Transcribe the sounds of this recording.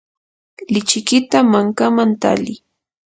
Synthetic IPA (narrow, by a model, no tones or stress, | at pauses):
lɪt͡ʃɪkɪt̪amaŋkamant̪a̰lɪ